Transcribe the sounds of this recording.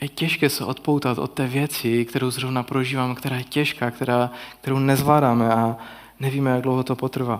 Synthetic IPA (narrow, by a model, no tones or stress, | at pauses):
jɛcɛʃkɛːsɛʔot̪powt̪at̪ʔo̰t̪̚t̪ːɛːvjɛt͡sɪkt̪ɛɾowzrovnapɾoʒiːvaːmkt̪ɛɾaːjɛcɛʃkaːkt̪ɛɾaːk̚t̪ɛɾownɛzvlaːdaːmɛa | nɛviːmɛjaɡdlwɦot̪opot̪r̩vaː